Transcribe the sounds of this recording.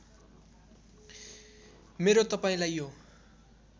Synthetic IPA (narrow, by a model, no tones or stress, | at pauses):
meɾot̪ʌpaĩlajjo